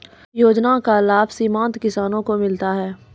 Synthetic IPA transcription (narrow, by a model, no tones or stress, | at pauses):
joːd͡ʒnakalaːbsiːmãːnt̪kɪsaːnõkomɪlt̪aɦɛː